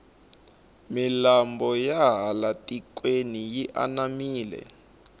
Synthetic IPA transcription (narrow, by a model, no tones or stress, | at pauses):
milambɔjaɦalatʼik̬ʼwenijiʔa̰namiːlɛ̰